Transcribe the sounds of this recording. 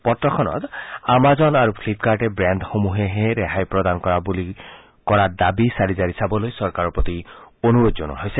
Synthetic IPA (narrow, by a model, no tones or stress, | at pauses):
pɔt̪ɾɔkʰɔnɔ̰t̪amazɔnaɾupʰlip̚kaɾʈebɾanɖxomuɦeɦeɾeɦajpɾɔd̪ankɔɾabuli | kɔɾad̪abisaɾizaɾisabɔlojsɔɾkaɾɔpɾot̪ionuɾod͡ʒɔnɔ̰ɦojse